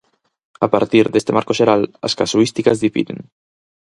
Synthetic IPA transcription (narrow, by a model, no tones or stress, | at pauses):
apaɾt̪iɾðest̪emaɾkoʒeɾala̰skasuist̪ikazðifḭðḛn